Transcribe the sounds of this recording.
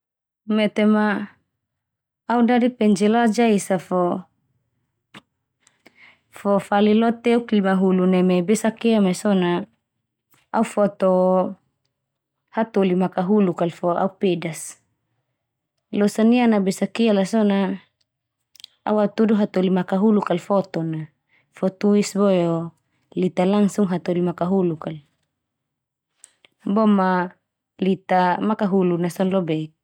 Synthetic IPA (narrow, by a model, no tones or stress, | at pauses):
mɛt̪ema | udadipɛɲd͡ʒɛlad͡ʒaisafɔ | fɔfalilɔt̪ɛuklimaɦulunɛmebesakeamesɔna | aufɔt̪o | hat̪olimakaɦulukalfoa̰upedas | losanianabesakialasɔna | a̰wat̪uduɦat̪olimakaɦulukalfɔt̪ɔna | fɔt̪uisbɔjɔ | lit̪alaŋsuŋɦat̪olimakaɦulukal | bɔma | lit̪amakaɦulunasɔnlɔbɛk̚